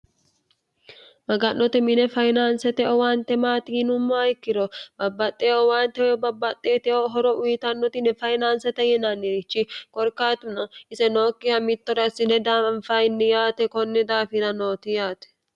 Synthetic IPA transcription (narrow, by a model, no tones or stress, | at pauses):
mɐɡɐnːɔt̪ɛmɪnɛfɐjnaːnsɛt̪ɛɔwaːnt̪ːɛmaːt̪ɪːnʊmːɐɐjɪkːɪɾɔbɐbːɐt̪ʼːeɔwaːnt̪ɛwɛbɐbːɐt̪ʼːeːt̪ɛoɦɔɾɔʔʊjɪt̪ɐnːɔt̪ɪnɛfɐjnaːnsɛt̪ɛjɛnanːɛɾɪt͡ʃːɪkʼɔɾkaːt̪ʊnɐɪsɛnoːkʼːɪjɐmɪt̪ːɔɾɐsɪnɛd̪aːɐnfɐɪnːɛjaːt̪ɛkɔnːɛd̪aːfɪnɐno̞ːt̪ɪjaːt̪ɛ̥